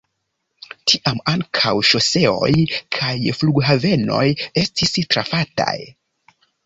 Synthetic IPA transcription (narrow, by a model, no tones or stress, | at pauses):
tʰiʔamaŋkʰawʃo̞se̞o̞̰jkʰajfluɡɦave̞no̞̰je̞stistɾafata̰j